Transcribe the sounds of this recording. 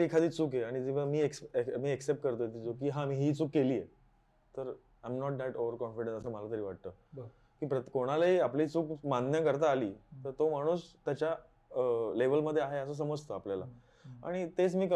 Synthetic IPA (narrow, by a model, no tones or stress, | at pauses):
ikʰad̪iːt͡suːkjeaɽ̃id͡ziʋ̤amiːeksemiːeksep̚ʈ̚kəɾt̪ojet̪̬it͡sokiːɦãmiːɦiːt͡suːkːeliːje | t̪əɾ | ajmnɔʈ̚d̪æʈoʋəɾkɔnfiɽẽnsəsəːməlat̪əɾiːʋaʈ̚t̪əː | kiːpɾəkoɽ̃alaɦiːaplːt͡suːkmanjəkəɾt̪aːlḭːt̪əɾt̪omaɽ̃uːst̪jat͡ɕja | leʋəlməd̪ʱjeaɦeəs̬əːs̬əməd͡zt̪ʰəapljala̰ | a̰ɽ̃it̪et͡smiːk